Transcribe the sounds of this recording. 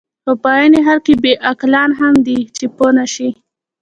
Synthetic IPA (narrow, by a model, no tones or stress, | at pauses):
pəpɑjaneɦaɾkebeʔaklɑnɦamd̪it͡ʃeponaʃi